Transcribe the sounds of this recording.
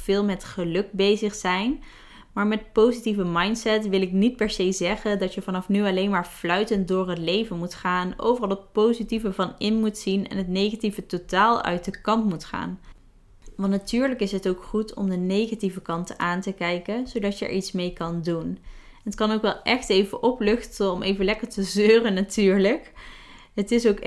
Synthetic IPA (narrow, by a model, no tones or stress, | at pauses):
v̥ɪːlˠmɛtχəlɵk̚bejzəχsɛjn | maːɹmɛt̚powzitivəmɑjntsɛtʋɪlɪknit̚pɛɹsejzɛχəndɑtjəvɑnɑfnyɑlejnmaːɹv̥lœɥtənt̚dʊːɹɦətlejvənmutχaːno̰wvərɑlˠɦət̚powzitivəvɑnɪnmutsinɛ̰nɦətnejχativətotaːlˠœ̰ɥt̚dəkɑntmutχa̰ːn | ʋɑntnatyːɹləkɪsɦətowkχutʰɔ̰mdənejχativəkɑntəʔaːntəkɛjkənz̥owdɑtjəə̰ɹʔitsmejkɑndun | nətkɑnowkʋɛlˠʔɛχtejvəʔɔplʏxtəɔmʔejvəlɛkəɹtəzøːrənːatyːɹləkɦətɪsowk